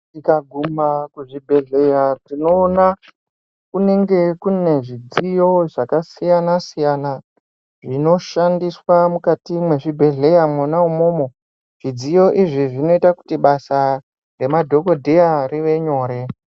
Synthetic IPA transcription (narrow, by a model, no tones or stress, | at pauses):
tikaɡʱumakuʐibʱe̞ɮe̞jatino̞ːna | kune̞ŋɡe̞kune̞ʐid͡zijo̞ʐakasijanasijana | ʐino̞ʃandiswamukatimwe̞ʐibʱe̞ɮe̞jamwanaumomo̞ | ʐ̥id͡zijo̞ʔiʐiʐino̞itaku̥tiɓasa | re̞madʱo̞ko̞dʱejariʋe̞ɲo̞ːɾe̞